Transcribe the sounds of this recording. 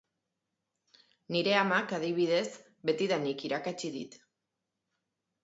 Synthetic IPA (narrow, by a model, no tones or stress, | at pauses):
niɾe̞amakað̞iβ̞iðe̞z | be̞t̪iðanikiɾakat͡ʃiðḭt̪